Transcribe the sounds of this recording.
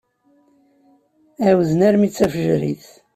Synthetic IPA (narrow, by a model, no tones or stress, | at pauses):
æwðnæɾmit͡sːæfəʒɾḭθ